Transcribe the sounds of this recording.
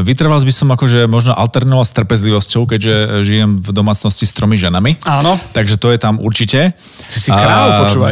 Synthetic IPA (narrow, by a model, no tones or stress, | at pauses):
ʋit̪r̩ʋalzbisɔmakɔʒɛmɔʒnɔʔalt̪ɛɾnɔʋast̪r̩pɛzliʋɔscɔʊkɛɟʒɛʒijɛmvd̪ɔmaːt͡snɔscist̪ɾɔmiʒɛnamiaːnɔt̪aɡʒɛt̪ɔjɛt̪amṵɾt͡ʃicɛ | isiɾaɔuːa